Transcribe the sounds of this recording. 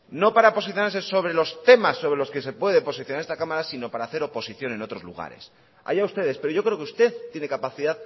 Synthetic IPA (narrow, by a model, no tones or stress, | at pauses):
no̞paɾapo̞siθjonaɾse̞so̞βɾe̞lo̞st̪e̞masːo̞βɾe̞lo̞ske̞se̞pwe̞ðepo̞s̬iθjonaɾest̪akamaɾasino̞paɾaːθe̞ɾo̞po̞siθjo̞ne̞no̞t̪ɾo̞zlṵɣ̞a̰ɾe̞̰s | a̰jaust̪e̞ðe̞spe̞ɾo̞ʝo̞kɾe̞okeust̪e̞ðt̪jene̞kapaθiðað